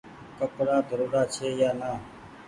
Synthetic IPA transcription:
kəpɾaːd̪əɾuːɾaːt͡ʃʰeːjaːnaː

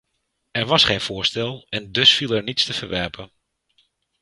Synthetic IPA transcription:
ɛrʋɑsχeːjnfʊːəstɛlˠɛndɵsfilˠɛɹnitstəv̥əɹʋɛrpʰən

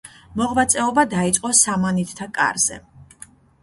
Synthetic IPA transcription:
mɔʁvat̪sʼɛɔbad̪ait̪sʼqʼɔsamanit̪ʰt̪ʰakʼa̰ɾz̥ɛ̰

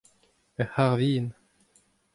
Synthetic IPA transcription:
əhaʁviːn

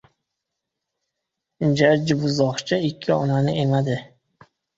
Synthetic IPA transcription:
d͡ʒaɾd͡ʒɪbʊzɒχt͡ʃʰaɪkʲʰːɪɒ̰nanɪʔe̞mad̪ɪ

